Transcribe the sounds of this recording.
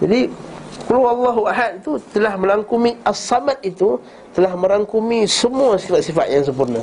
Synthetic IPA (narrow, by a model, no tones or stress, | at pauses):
d͡ʒadikəlawalːaɦuaɦat̪̚it̪ut̪əlahmə̃laŋkumiasːamat̪̚it̪u | t̪əlahmə̃ɾaŋkumisəmuasifat̪̚sifat̪̚jaŋs̬əmpurna